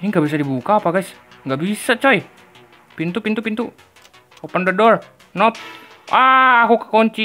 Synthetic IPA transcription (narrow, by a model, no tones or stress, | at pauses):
iŋɡabis̬adibukaːpaɡajsŋɡaʔbisat͡ʃɔj | pint̪upint̪upint̪u | opandədɔr | nɔp̚ | aakukḁkoɲt͡ʃi